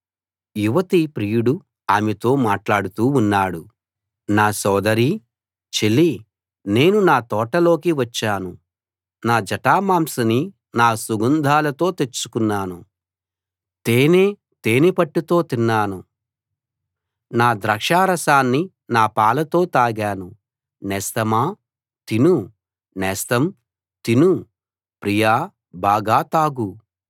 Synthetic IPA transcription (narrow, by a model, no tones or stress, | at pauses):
juʋɐt̪ipɾiːjuɽu | aːmɛt̪o̞ːmaːʈlaːɽut̪uːunːaːɽu | naːsɔːd̪ɐɾi | t͡ʃeli | ne̞ːnunaːt̪ɔːʈɐlo̞ːkiʋɐt͡ʃːaːnu | naːd͡ʒɐʈaːmaːmsɐni | naːsuɡɐnd̪ʱaːlɐt̪o̞ːt̪e̞t͡ʃːu̥kunːaːnu | t̪eːneː | t̪eːnipɐʈːut̪o̞ːt̪inːaːnu | naːd̪ɾɐkʂaːɾɐsaːnːi | naːpaːlɐt̪o̞ːt̪aːɡaːnu | nɛːst̪ɐmaː | t̪inu | nɛːst̪ɐm | t̪inu | pɾijaː | baːɡaːt̪aːɡu